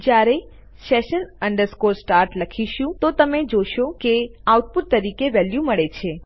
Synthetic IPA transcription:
d͡ʒjaɾe | seʃənəɳɖəɾskoɾsʈaɾʈləkʰiʃũt̪ot̪əmed͡ʒoʃokeawʈ̚puʈ̚t̪əɾikeʋɛljuməɭet͡ʃʰe

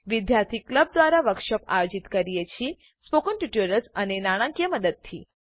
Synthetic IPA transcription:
ʋid̪jaɾt̪ʰikləb̚d̪ʋaɾaʋəkʃəpa̰jod͡ʒit̪kəɾijet͡ʃʰi | spokənʈuʈuɾəlsənenaɽ̃ãkijəməd̪əd̪̚t̪ʰi

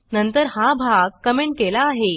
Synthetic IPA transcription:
nənt̪əɾɦabʱaɡ̚kəmeɳʈ̚kelaːɦe

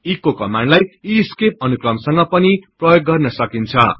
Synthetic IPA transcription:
ikokʌmanlajiskep̚ʌnukrʌmsʌŋɡʌpʌniprʌjoɡːʌrnʌsʌkint͡sʰʌ̰

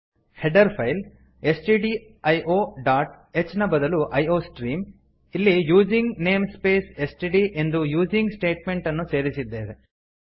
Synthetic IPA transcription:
heɖɐɾpʰɐjl | e̞sʈiɖi | ɐjʔoːɖaːʈ | et͡ʃːnɐbɐd̪ɐluʔɐjo̞ːsʈɾiːm | ilːijuːd͡ʒiŋɡneːmspe̞ːsesʈiɖiʔe̞nd̪ujuːd͡ʒiŋɡsʈe̞ːʈme̞ɳʈɐnːuse̞ːɾisid̪ːeːʋe

